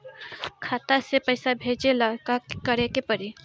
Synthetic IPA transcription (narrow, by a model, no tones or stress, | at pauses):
kʰaːt̪asepɐɪsabʱeːd͡ʒelakakəɾekepəɾi